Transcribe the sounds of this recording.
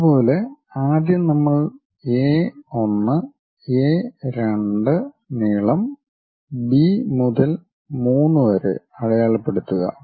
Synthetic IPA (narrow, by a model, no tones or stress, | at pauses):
ɐupo̞ːleaːd̪jɐmnɐmːɐɭ | eːo̞nːɨ | eːɾe̞ɳɖɨ | niːɭɐm | bimuðɐl | muːnːɨʋɐɾḛɐɻɐjaːɭɐpːe̞ɽut̪ːuɣɐ̰